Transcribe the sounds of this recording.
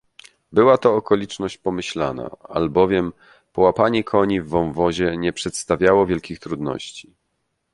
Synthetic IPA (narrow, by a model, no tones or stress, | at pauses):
bɘwat̪ɔːkɔlʲit͡ʂnɔɕt͡ɕpɔmɘɕla̰na̰a̰lbɔvʲjɛm | pɔwapaɲɛkʰɔɲivːɔ̃wvɔʑɛɲɛpʂɛt̪st̪avʲjawɔvʲjɛlkʲixt̪ɾud̪nɔ̰ɕt͡ɕi̥